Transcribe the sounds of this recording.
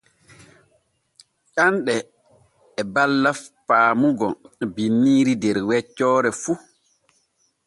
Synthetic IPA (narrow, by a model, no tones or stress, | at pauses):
t͡ʃanɗɛː | balːaffaːmuɡɔbinːiːɾidɛɾwɛt͡ʃːɔːɾɛfu